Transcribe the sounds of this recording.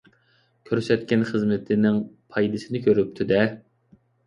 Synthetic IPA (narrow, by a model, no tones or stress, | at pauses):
kʲʰøɾsɛt̪̚kʲɛnχəzmɪt̪ʰɪnɪŋpʰɑjd̪ɨsɪnɪkʲʰøɾyp̚t̪ʰyd̪ɛ